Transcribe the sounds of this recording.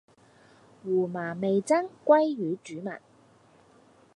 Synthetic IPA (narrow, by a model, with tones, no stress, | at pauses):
wuː˨˩maː˨˩me˨jt͡sɐ˥ŋkʷɐ˥jɥyː˨˥t͡ʃyː˨˥mɐ̰˨˩n